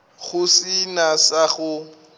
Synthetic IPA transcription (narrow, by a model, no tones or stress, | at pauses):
ɣʊsinasaχʊ